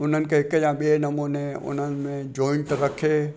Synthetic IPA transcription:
ʊn̤ənɪ̆kʰeɦɪkjãɓienɐmonẽʊ̰n̤ənɪ̆mẽd͡ʒɔːɪɳʈɾɐkʰeː

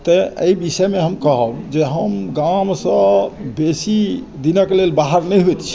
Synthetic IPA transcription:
t̪ɔə̰ibisəmeɦəmkəɦəbd͡ʒeɦəmɡamsə̃besi | d̪inəklelbaɦəɾnɛjɦojt̪t͡ʃʰ

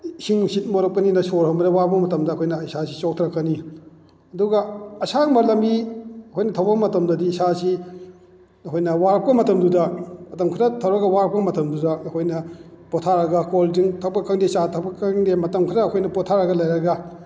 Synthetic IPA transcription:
siŋsit̚moɾɐp̚kɐninɐsoɾɦɐmɐdɐwaɾp̚ɐmɐtɐmdɐɐkʰojnɐisasisok̚tʰɾɐkːɐni | ɐduɡɐɐsaŋmɐɾlɐmbiɐkʰojnɐtʰɐwbɐɡɐmɐtɐmdɐdiːsasi | ɐkʰojnɐwaɾɐp̚kɐmɐtɐmdudɐɐtɐmkʰɾɐtʰɐwɾɐɡɐwaɾɐp̚kɐmɐtɐmdudɐɐkʰojnɐ | potʰaɾɐɡɐkolziŋtʰɐk̚pɐkʰɐŋdesatʰɐpɐkʰɐŋdemɐtɐmkʰiɾɐːkʰojnɐpɔtʰaɾɐɡɐlɐjɾɐɡɐ

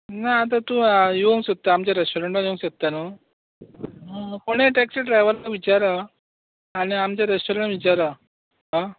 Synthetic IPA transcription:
naːt̪̬at̪ũjoŋsot̪ːaamt͡ɕjaɾesʈoɾəɳʈajoŋsət̪ːano | ɦkoɽ̃eʈeksiɖɾajʋəɾlaʋit͡ɕaɾa | aɽ̃iamt͡ɕjaɾesʈoɾəɳʈʋit͡ɕaɾa | ɦa

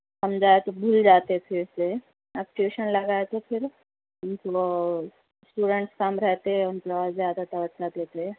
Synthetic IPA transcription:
sɐmd͡ʒaːet̪obʱuːld͡ʒaːt̪et̪ʰɪse | ak̚ʈeːʃənlɐɡaːet̪ʰopʰɪɾ | ʊnto | sʈuːɖẽɳʈskaːmɾɛɦt̪eɦɛ̃ʊnpɾɐʋaːzaːd̪at̪ɐʋɐt̪t͡ʃaːt̪et̪ʰe

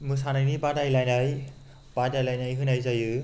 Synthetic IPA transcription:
mɯs̬anajnibadajlajnaj | b̥adajlajnajɦɯnajzajɯ

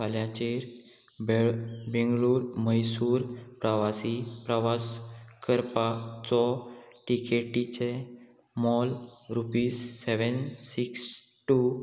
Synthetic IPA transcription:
aljat͡ɕeɾ | bbɛ̃ŋɡɭuːɾməjsuːɾpɾəʋasipɾəʋaskəɾpat͡sɔʈikeʈit͡ɕe | mɔlɾupiːsːeʋənsiksʈu

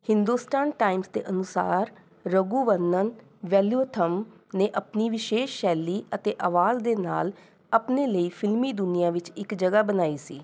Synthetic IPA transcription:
hɪnd̪uːsʈaːnʈaːɪmsd̪ḛːʔənʊsa̰ːɾ | ɾəɡuːʋənːən | ʋɛːljuːt̪ʰəm | neːʔəpniːʋɪʃeːʃːɛːliːət̪eːʔəʋaːzd̪eːna̰ːl | əpneːləiːpʰɪlmiːd̪ʊnɪjãːʋɪt͡ʃɪkd͡ʒəɡaːbənaːiːsḭː

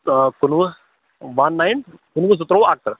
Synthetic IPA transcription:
kunʋə | ʋanːajnkunʋəs̬ut̪ɾoːak̚t̪ɾ

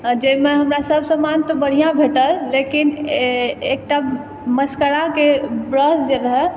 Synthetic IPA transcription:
d͡ʒemeɦəmɾasəbʱsə̃mant̪ɔbəɽ̤ijãbʱeʈəlːekin | ek̚ʈa | məskəɾakebɾəsd͡ʒelɦɛ

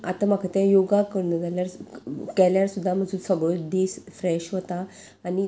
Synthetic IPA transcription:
a̰t̪am̤akʰat̪jãjoɡakəɾnəd͡zaljaɾkɛljaɾsud̪ʱːam̤əd͡zʱuːnsəɡɭod̪esfɾɛɕʋət̪aː | ni

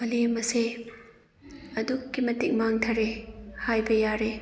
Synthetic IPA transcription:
mɐlimɐse | ɐdukːimɐtik̚maŋtʰɐɾehajbɐjaɾe

